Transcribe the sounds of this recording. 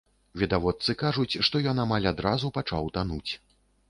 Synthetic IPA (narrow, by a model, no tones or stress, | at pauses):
vʲid̪avɔt̪sɨkaʐut͡sʲʂt̪ɔjɔnamalʲad̪ɾazupat͡ʂa̰wt̪anut͡sʲ